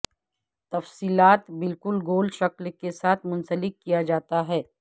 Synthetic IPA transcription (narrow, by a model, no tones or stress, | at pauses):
t̪ɐfsiːlaːt̪bɪlkʊlɡoːlʃɐklkesaːt̪ʰmʊ̃nsəlɪkːijad͡ʒaːt̪aɦɛː